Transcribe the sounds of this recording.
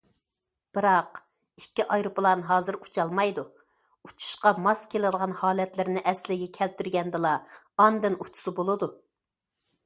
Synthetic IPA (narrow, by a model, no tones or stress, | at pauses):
b̥ɨɾɑq | ikʲːiʔɑjɾuplˠɑnɦɑːzɨɾu̥t͡ʃʰɑlˠmɑjd̪u | ut͡ʃʰu̥ʃqɑmɑskʲʰelɪɨd̪əʁɑnhɑːlɛt̪lɪɾnɪʔɛslɪɡʲɛkʲʰɛlt̪yɾɡʲɛnd̪ɨlˠɑː | nd̪ɨnut͡ʃ̪ʰu̥sɨbolˠɨd̪u